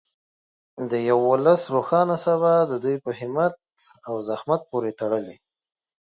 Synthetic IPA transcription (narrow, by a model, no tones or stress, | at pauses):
d̪əjawolasɾoxɑnasaβad̪əd̪ujpəhɪmat̪̚awzahmat̪̚poɾet̪aɽəli